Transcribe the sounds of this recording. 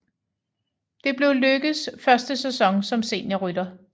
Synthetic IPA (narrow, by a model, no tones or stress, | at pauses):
d̥e̝b̥le̝ʊløɡ̥ð̩ˠsfɶɐsd̥əsesɒ̽ŋsɒ̽mse̝̰ːnjɑʁyd̥ɐ